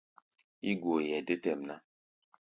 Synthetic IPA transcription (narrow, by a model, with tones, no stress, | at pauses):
i˦ɡo˨jɛ˨de˦tɛ˦˨mna˦